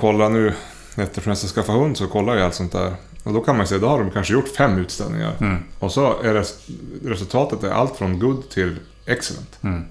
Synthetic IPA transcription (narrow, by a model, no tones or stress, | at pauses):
kʰɔlːanʉ̟ː | hɛt̪ːəfmɛsaskafːahɵnd̪sɔkʰɔlːaɾɪalt̪sɔnt̪̚d̪æ̰ːɾ | ɔd̪ɔkʰanmanjseːd̪ɔhaɖɔmkʰanʂəjʊʈːfɛmːʉːt̪st̪ɛ̰lnɪ̰ŋa̰ɾɔsɔæɾɛɾɛsɵlt̪ʰɑːt̪ət̪æɾʔa̰lt̪fɾɔnɡɵd̪ːt̪ʰɪl | ɛksɛlɛ̰nt̪